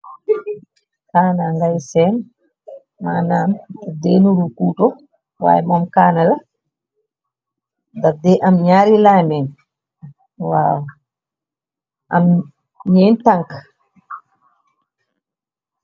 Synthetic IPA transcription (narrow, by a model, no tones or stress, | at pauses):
kaːnaŋɡajsɛn | maːnamtadɛnuɾukuːtɔ | wa̰ːjmamkaːnala | dadɛʔamɲaːɾilaːmɛn | wa̰ːw | ʔam | ɲɛntaŋk